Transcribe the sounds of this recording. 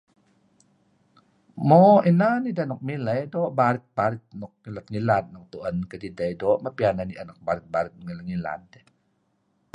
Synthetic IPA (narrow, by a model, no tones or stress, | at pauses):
moinanidanɔk̚miləjdoʔbaɾit̪̚baɾit̪̚nɔk̚ŋilat̪̚ŋilat̪̚nɔk̚t̪uʔənkədidəjdoʔmabiananiʔanak̚baɾit̪̚baɾit̪̚nŋilaŋila̰nde